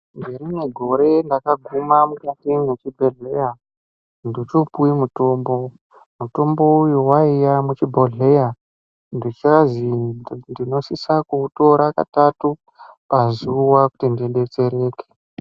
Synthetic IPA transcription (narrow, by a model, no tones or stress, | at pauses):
mɡeɾineɡʱo̞ɾe̞ndakaɡʱumamukatinet͡ʃibʱe̞ɮeja | ndit͡ʃopuimuto̞ːmbo̞ | muto̞mbo̞ujuwaijamut͡ʃibʱo̞ɮe̞ja | ndit͡ʃazindino̞sisakuto̞ɾaka̰tatu | pazuwakutindiɗe̞t͡se̞ɾe̞ːke̥